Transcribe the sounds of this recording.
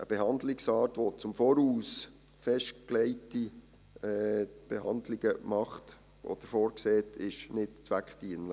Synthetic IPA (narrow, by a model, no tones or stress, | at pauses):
ʔəb̥ɛɦɑnd̪lɪksɑːtʋot͡sʊmfɔɾuːs | fɛʃtklɛɪti | ɛb̥ɛɦɑndlɪɡ̥əmɑχt | ɔ̰d̥əɾfɔːɾksɛːtʰɪʃnɪtt͡sʋækχtiːənlə